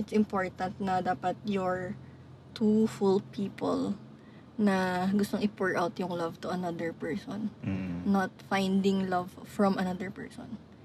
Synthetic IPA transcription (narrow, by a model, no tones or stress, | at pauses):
ʔɪt̪sɪmpoɹt̪ɐnt̪̚nɐd̪aːpɐt̪̚jɔɹ | t̪ufulpʰiːpɔ̰l | nɐɡʊst̪oŋʔɪpuɹʔawt̪jʊŋlɐvt̪ʊʔɐnɐd̪ɛɹpɛɹsɔ̃nːɔt̪̚fajnd̪ɪŋlɐvfɹɔmʔɐnɐd̪ɛɹpɛ̰ɹsɔ̰n